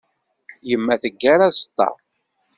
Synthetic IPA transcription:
jəmːæθəɡːaɾast̪ːɑ̰ˤ

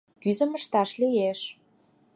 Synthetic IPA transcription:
kyzə̆məʃt̪ɑʃlijeʃ

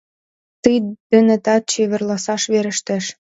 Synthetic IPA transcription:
t̪ijd̪̥ɘ̆nɘ̆t̪ɑt͡ɕeβə̆rlɑsɑʃβeɾə̆ʃt̪æʃ

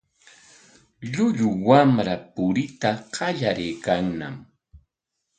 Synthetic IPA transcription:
ʎʊʎʊwamɾapʊɾɪt̪aqɑʎaɾɪjkaŋna̰m

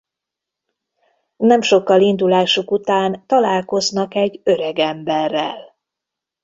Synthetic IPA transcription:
nɛmʃo̞kːɒlind̪ulaːʃukut̪aːnt̪ɒlaːlko̞znɒkɛɟøɾɛɡɛmbɛrːɛ̰l

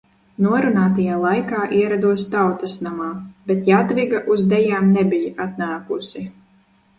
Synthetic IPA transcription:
nuɔɾunaːt̪ajaːlˠajkaːʔiɛɾad̪uɔst̪awt̪asnamaːbet̪jat̪viɡaʔuzd̪ɛjaːmnebijaat̪naːkusi

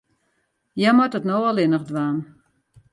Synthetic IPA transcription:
jɛmɔtətnowalˠɪnəχdʋaːn

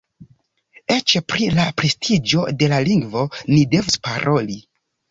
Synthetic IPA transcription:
e̞t͡ʃepɾilapɾe̞stʰid͡ʒo̞de̞laliŋɡvo̞nide̞vuspaɾo̞li

